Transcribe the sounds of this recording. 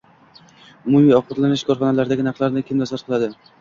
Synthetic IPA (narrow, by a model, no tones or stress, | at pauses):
ʊmumijɒqbɒt̪lanɪʃkʰɒɾχɒnalaɾd̪aɡʲɪnɑqlˠaɾnɪkʲʰɪmd̪asat̪qʰɨlˠad̪ɪ